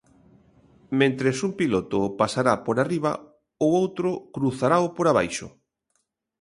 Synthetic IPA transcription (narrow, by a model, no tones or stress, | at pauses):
mẽnt̪ɾesumpilot̪ʊpasaɾapoɾariβ̞a̰ | oowt̪ɾʊkɾuθaɾaopoɾaβajʃʊ̰